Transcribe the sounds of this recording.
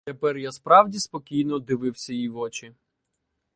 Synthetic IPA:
t̪epɛrjaspɾɑwdʲispɔkʲijnɔd̪ɪʋɪwsʲɐjijʋɔt͡ʃi

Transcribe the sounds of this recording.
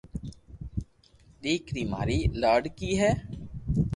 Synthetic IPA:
ɗiːkɾiːma̰ːɾiːlaːɖkiːɦɛː

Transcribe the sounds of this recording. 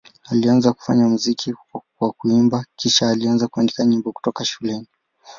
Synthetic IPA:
alianzaku̥fa̰ɲamuzikʰiwakuimbakiʃaːlianzakuandikaɲimbɔku̥tɔkaʃulɛni

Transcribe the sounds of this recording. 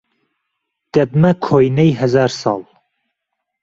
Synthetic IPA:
d̪̥ɛb̚mɐkʰoːjnɛjɦɛzɑːɾsɑ̰ːlˠ

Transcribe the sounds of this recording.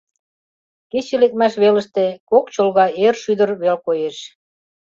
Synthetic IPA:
ket͡ɕelek̚mæʃβeləʃt̪ekokt͡ɕolɣɑerʃyd̪ərβelkojeʃ

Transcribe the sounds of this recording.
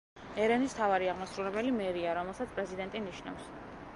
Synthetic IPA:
ɛɾɛnist̪ʰavaɾiaʁmasɾuɾɛbɛlimɛɾiaɾɔmɛlˠsat̪sʰpʼɾɛzid̪ɛnt̪ʼiniʃna̰fs

